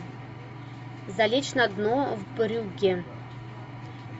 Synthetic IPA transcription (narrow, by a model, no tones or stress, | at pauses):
zalʲet͡ʃʰnad̪novbʼɨɾɨwɡʲɪ